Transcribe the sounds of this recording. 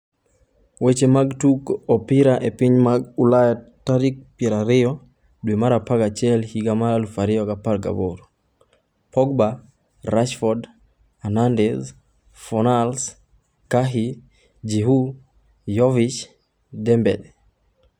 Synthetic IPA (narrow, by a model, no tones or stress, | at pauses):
wet͡ʃemaɡtukɔpiɾaʔepiɲmaɡulajataɾik̚pjɛɾaɾɪɔ | dwemaɾapaɡat͡ʃɛlhiɡamaɾalufaɾɪɔkapaɾɡa̰boɾ | pɔɡba | ɾaʃfɔd | anandɛz | fɔnals | kaɦi | d͡ʒiɦu | jɔvit͡ʃ | dɛmbɛ̰d